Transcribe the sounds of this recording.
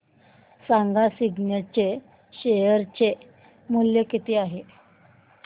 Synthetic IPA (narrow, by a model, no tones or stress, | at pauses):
saŋɡasiɡnjat͡ɕe | ɕejəɾt͡ɕe | muljəkit̪ʰiːaɦe